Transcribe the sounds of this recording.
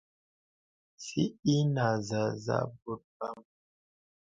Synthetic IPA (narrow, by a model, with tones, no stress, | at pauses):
sḭ˦i˦na˨za˨za̰˦bu˦t̚ba˦m